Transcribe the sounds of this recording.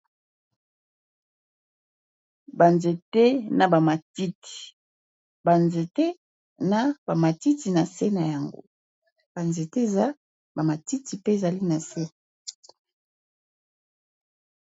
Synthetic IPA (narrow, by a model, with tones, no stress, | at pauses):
ba˨nze˨te˦na˨ba˨ma˨ti˦ti̥˨ | ba˨nze˨tɛ˦ | na˦ba˨ma˨ti˦ti˨na˨se˦na˨ja˨ŋɡo̰˦ | b̥a˨nze˨te˦e˨za˦ | ba˨ma˨ti˦ti˨pe˦e˨za˨li˦na˨se˦